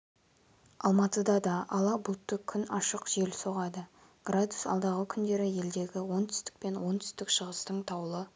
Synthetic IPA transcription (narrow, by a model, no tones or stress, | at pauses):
ɑlˠmɑt̪əd̪ɑd̪ɑʔɑlˠɑbʊlˠt̪ːəkʲʰʏnɑʃəqʒ̥elso̞ʁɑd̪ə | ɡ̥rad̪usɑ̰lˠd̪ɑʁəkʲʰʏnd̪e̞ɾɪje̞ld̪e̞ɡʲɪwo̞nt̪ʰʏ̥st̪ɪ̥k̚pe̞nwo̞nt̪ʰʏ̥st̪ɪkʃəʁəst̪əɴt̪ʰɑwlˠə